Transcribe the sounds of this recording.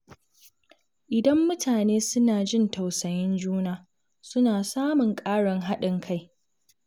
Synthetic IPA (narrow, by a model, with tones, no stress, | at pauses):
ʔɪ˨dɐ˦mːʊ˦tʰaː˨neː˦sʊ˦naː˨d͡ʒɪ˦˨nta˨wsɐ˨jɪ˦nd͡ʒuː˦naː˨ | sʊ˦naː˨saː˦mʊ˨ŋkʼaː˦ɽɐ˨ŋɦa˦ɗɪ˨ŋkʰa˦˨j